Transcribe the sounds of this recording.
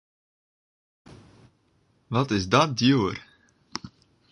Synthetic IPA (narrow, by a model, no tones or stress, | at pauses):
ʋɑtɪzdɔt̚djuːər